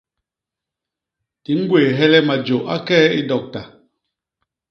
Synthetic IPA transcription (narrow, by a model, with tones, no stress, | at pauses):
ti˨˦ŋ̩˦ɡweː˨ɦɛ˦lɛ˦ma˨d͡ʒo˨ʔa̰˦kɛ˦i˦dɔ˨k̚ta˨